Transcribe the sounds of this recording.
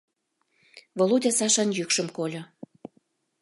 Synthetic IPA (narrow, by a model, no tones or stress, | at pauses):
volˠudʲɑsɑʃɑnjykʃə̆mkolʲo